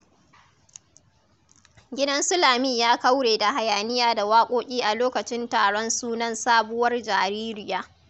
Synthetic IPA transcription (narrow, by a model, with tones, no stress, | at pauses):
ɡʲɪ˦dɐ˦nsʊ˦laː˨miː˦˨jaː˦kɐ˦wɽeː˨da˨ɦa˨jaː˨nɪ˦jaː˦da˨waː˦kʷʼoː˦kʲʼiː˦ʔa˨loː˦kɐ˨t͡ʃɪ˦ntaː˨ɽɔ˦nsuː˦nɐ˦nsaː˦bʊ˦wɐ˦rd͡ʒaː˨ɾiː˦ɾɪ˦jaː˦